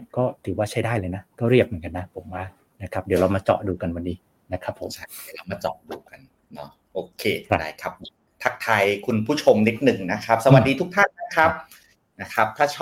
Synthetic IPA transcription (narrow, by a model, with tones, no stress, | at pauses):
kɔː˥˩t̪ʰɯː˩˦waː˥˩t͡ɕʰa˥˩jdaː˥˩jlɤː˧jna˦˥kɔː˥˩ɾi˥˩p̚mɯ˩˦ŋka˧nːa˦˥pʰo˨˩˦mwaː˥˩ | na˦˥kʰa˦˥p̚di˩˦wɾaː˧wmaː˧t͡ɕɔ̰ː˨˩duː˧ka˧nwa˧nːiː˦˥ | na˦˥kʰɾa˦˥pʰːo̰˨˩˦di˨˩˦ɾa˧wmaː˧t͡ɕɔ̰˨˩duː˧ka˧n | nɔ˦˥ | ʔoː˧˩kʰeː˧ɾda̰ː˧˩jkʰa˦˥p̚ | pʰa˦˥k̚t̪ʰa˧jkʰu˧npʰuː˥˩t͡ɕʰo˧mni˦˥t̪̚nɯ˨˩ŋna˦˥kʰɾa˦˥p̚sa˧wa˨˩t̪̚diː˧t̪ʰu˦˥k̚t̪ʰa˥˩nna˦˥kʰa˦˥p̚ | na˦˥kʰa˦˥p̚t̪ʰaː˥˩t͡ɕʰɔ˥˩